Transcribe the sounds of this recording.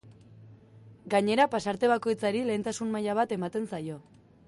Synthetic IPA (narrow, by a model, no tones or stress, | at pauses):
ɡaɲe̞ɾapasaɾt̪e̞β̞ako̞jt͡saɾile̞ːnt̪asunmajaβ̞at̪e̞mat̪e̞nsajo̞